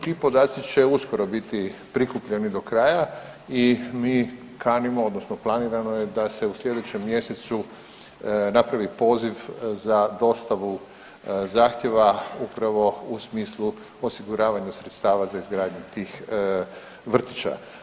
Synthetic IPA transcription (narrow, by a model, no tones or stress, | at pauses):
t̪iːpo̞d̪aːt̪sit͡ʃe̞usko̞ɾo̞bit̪ipɾikupʎenid̪o̞kɾaːja | imiː | kaːnimood̪nosnoplˠaniːɾanojed̪ase̞usʎʲe̞d̪et͡ɕe̞mːje̞set̪su | napɾaʋipo̞ːziʋzad̪o̞st̪aʋu | zaːxt̪ʲje̞ʋaupɾaʋo̞usmiːslˠu | o̞siɡuɾaːʋaɲusɾet̪st̪aːʋazaizɡɾaːd̪ɲut̪iːx | ʋr̩t̪it͡ʃa̰